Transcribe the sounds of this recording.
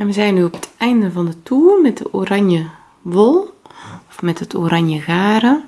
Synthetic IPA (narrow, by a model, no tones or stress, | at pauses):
ɛnʋəzɛjnːyɔpə̥tʰɛjndəvɑndətʰuːrmɛt̚dəʔoːɾɑnjə | ʋolˠɔfmɛtətʰo̰ːɾanjəɣaːɾə